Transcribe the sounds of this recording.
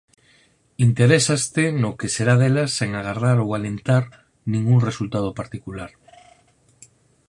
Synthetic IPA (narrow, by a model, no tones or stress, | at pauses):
int̪eɾesast̪enokeseɾaðelasːeŋaɣ̞araɾowalent̪aɾ | nĩŋɡuŋresult̪að̞opaɾt̪ikulaɾ